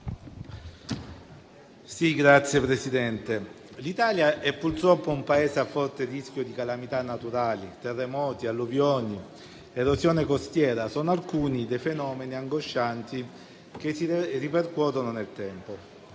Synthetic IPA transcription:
siɡɾat̪sːjepɾesid̪ɛnt̪e | lit̪aːljaʔɛpːurt̪ɾɔpːoumpaɛːsafɔrt̪erisk̟jod̪ikalamit̪anːat̪uɾaːlit̪erːemɔːt̪ialːovjɔːni | eɾozjɔːnekost̪jɛːɾasɔnoalkuːnid̪ejfenɔːmeniaŋɡoʃːant̪i | k̟esiriperkuɔːt̪ononelt̪ɛmpo

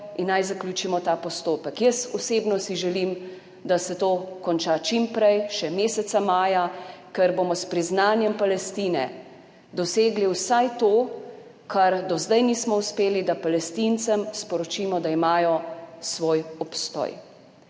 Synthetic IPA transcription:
inːajzaklʲjuːt͡ʃimɔt̪aːpɔst̪oːpəkjəsɔseːbnɔsiʒɛlim | d̪asɛt̪oːkɔnt͡ʃat͡ʃimpɾɛjʃɛmeːsɛt̪samaːjakɛɾbomɔspɾiznaːnjɛmpalɛst̪iːnɛ̰ | d̪ɔseːɡliwsajt̪oː | kʰaɾd̪ɔzd̪ɛjniːsmɔuspeːlid̪apalɛst̪int̪səmspɔɾɔt͡ʃiːmɔd̪aimaːjɔsʋoːjɔpst̪ɔ̰j

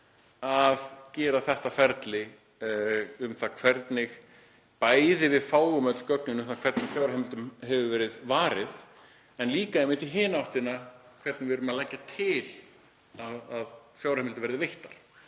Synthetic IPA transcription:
aðcɛːɾaθɛht̪afɛɾt̪lɪ | ʏmθakʰvɛɾt̪nɪx | paːjðɪvɪðfaːwɣʏmœt̪l̥cœknʏnʏmθakʰvɛɾt̪nɪfjawɾɛmɪlt̪ʏmɦɛvʏvɛːɾɪðvaːɾɪθ | ɛnliːkaɛjmɪt̪iɦɪːnaawht̪ɪnakʰv̥ɛɾt̪nɪvɪðɾʏɾʏmaðlɛcːat̪ʰɪl | aðaðfjawɾhɛmɪlt̪ʏvɛɾðɪvejht̪aɾ̥

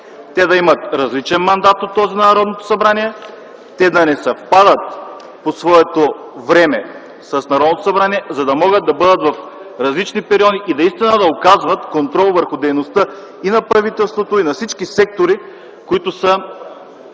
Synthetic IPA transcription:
t̪ɛd̪ɐimɐt̪ɾɐzlit͡ʃɛnmɐnd̪at̪ot̪ːɔzinɐnɐɾɔd̪not̪o̥sɐbɾaniɛ | t̪ɛd̪ɐnɛsɐfpad̪ət̪̚ | posvɔɛt̪o | vɾɛmɛ | sɐsnɐɾɔd̪not̪o̥sɐbɾaniɛzɐd̪ɐmɔɡət̪ːɐbɤd̪ət̪vɐf | ɾɐzlit͡ʃnipɛɾiɔd̪iʔid̪ɐist̪inəd̪ɐokazvɐt̪kont̪ɾɔlˠvəɾxʊd̪ɛjnost̪ɤ | inɐpɾɐvit̪ɛlˠst̪vot̪oinɐfsit͡ʃkisɛk̚t̪oɾi | koit̪ʊsə

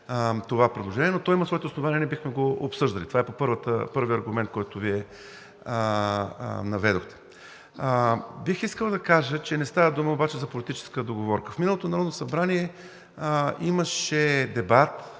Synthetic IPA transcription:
t̪ovapɾɛd̪lˠoʒɛniɛnot̪ɔjiməsvɔɛt̪ɛosnovaniɐnɛbixmɛɡoo̰psɤʒd̪əlit̪ovaɛpopɤɾvət̪ə̰pɤɾviɐɾɡumɛnt̪̚kɔjt̪ʊviɛ | nɐvɛd̪oxt̪ɛ̥ | bixiskəlˠd̪ɐkaʒət͡ʃɛnɛst̪avəd̪uməobat͡ʃɛzɐpolit̪it͡ʃɛ̥skəd̪oɡovɔɾkəfminəlˠot̪onɐɾɔd̪nosɐbɾaniɛ | iməʃɛd̪ɛbat̪

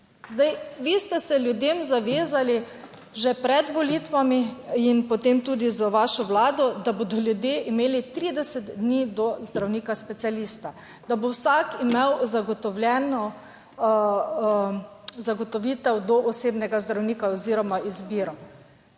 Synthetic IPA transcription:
zd̪ajʋist̪ɛsɛljud̪emzaʋeːzali | ʒɛpɾɛd̪ʋɔliːt̪ʋamiinpɔt̪emt̪uːd̪izaʋaːʃɔwlaːd̪ɔd̪abod̪ɔlʲjud̪jeʔimeːlit̪ɾiːd̪ɛsɛd̪d̪niːd̪ɔzd̪ɾawniːkaspɛt̪sijaliːst̪a | d̪abowsakimewzaɡɔt̪ɔwljɛːnɔ | zaɡɔt̪ɔʋiːt̪ɛwd̪ɔʔɔseːbnɛɡazd̪ɾawniːkaɔziːɾɔmaʔizbiɾɔ

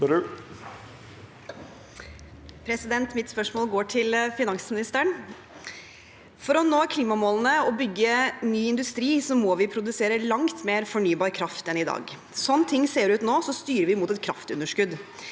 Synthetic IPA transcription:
pʰɾɛsɪd̪ɛnt̪mɪt̪spœʂmoːlɡoːʈʰɪlfɪnɑŋsmɪnɪst̪əɳ | fɔɾɔnoːkʰliːmɑmoːlənəɔbʏɡːənyːɪnd̪ʉst̪ɾiːsɔmɔʋɪpʰɾʊd̪ʉseːɾəlɑŋt̪meːɾfɔɳyːbɑːɾkʰɾɑft̪ɛnɪd̪ɑ̰ːɡ | sɔnːət̪ʰɪŋːseːɾʉːt̪noːsɔst̪yːɾəʋɪmuːt̪ɛt̪̚kʰɾɑft̪ʉ̰nəʂkʉd̪

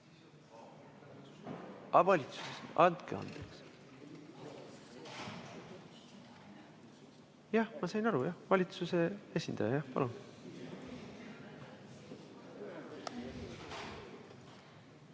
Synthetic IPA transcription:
ɑvɑlʲit̪su̥sesnɑnt̪̚kḛɑ̰nd̪̥eks | jɑhmɑsɑjnɑɾujɑhvɑlʲit̪suse̞e̞sʲind̪̥ɑ̰jɑjɑhpɑ̰lun

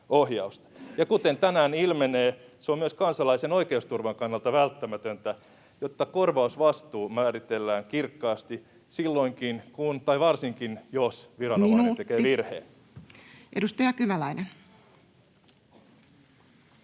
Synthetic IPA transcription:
ohjɑust̪ɑ̥jɑkut̪ent̪ænæːnilmeneːseommyøskɑnsɑlɑisenoikeust̪urʋɑŋkɑnːɑlt̪ɑʋælt̪ːæmæt̪ønt̪æ | jot̪ːɑkorʋɑusʋɑst̪uːmæːrit̪elːæːŋkirkːɑːst̪i | silːoiŋkinkunt̪ɑiʋɑrsiŋkinjosʋirɑnomɑnit̪ekeːʋirhḛː | ʔedust̪ɑjɑkyʋælæinen

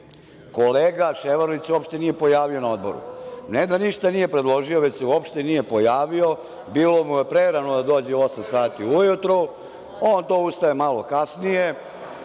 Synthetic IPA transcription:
ko̞leːɡaʃeʋaɾoʋit̪suopʃt̪e̞nije̞po̞jaːʋio̞nao̞d̪bo̞ɾṵned̪aniʃt̪anije̞pɾed̪lˠo̞ʒio̞ʋet͡ɕseuopʃt̪enije̞po̞jaːʋio̞ | biːlo̞mujepɾeɾanod̪ad̪o̞ːd͡ʑeosamsaːt̪iujut̪ɾo | oːnt̪oːust̪aemalo̞kasnije

